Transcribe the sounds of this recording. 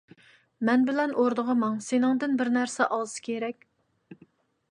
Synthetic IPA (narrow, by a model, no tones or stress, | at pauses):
mɛnbɪlɛnʔoɾd̪əʁəmɑŋsenɪŋd̪ɪnbɪɾnæɾsɛʔɑlˠɨsɨ̥kʲʰeɾɛkʲ